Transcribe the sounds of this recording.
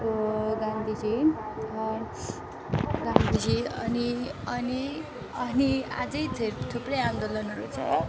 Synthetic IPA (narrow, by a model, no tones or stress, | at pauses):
oɡãnd̪ʱid͡ziʌ | ɡand̪ʱid͡ziʌniʌni | ʌnia̰d͡zʌjt̪ʰet̪ʰuprʌjand̪olʌnʌɾut͡sʰʌ̰